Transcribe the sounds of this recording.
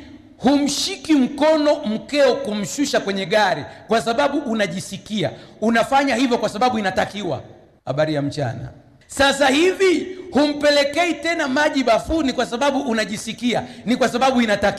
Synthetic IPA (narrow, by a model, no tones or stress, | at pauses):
hum̩ʃikim̩kɔnɔm̩kɛɔkum̩ʃuʃakwɛɲɛɠaɾikwasaɓaɓuʔːnaʄisikia̰unafaɲahivjɔkwasaɓaɓuinatakiwa̰ | ha̰ɓaɾijam̩t͡ʃa̰na̰ | sasahivihum̩pɛlɛkɛitɛnamaʄiɓafunikwasaɓaɓuʔːnaʄisikianikwasaɓaɓuinatak